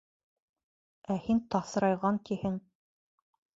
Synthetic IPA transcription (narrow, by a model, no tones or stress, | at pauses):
æhint̪ɑθɤɾɑjʁɑŋkihɘŋ